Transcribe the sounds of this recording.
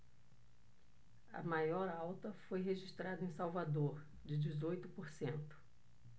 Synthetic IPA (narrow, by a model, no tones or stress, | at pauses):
ɐ̰majɔɾawt̪ɐfojɦeʒiʃt̪ɾad̪ɐẽsawvad̪oɾ | d͡ʒɪd͡ʒɪzojt̪ʊpoɾsẽnt̪ʊ̥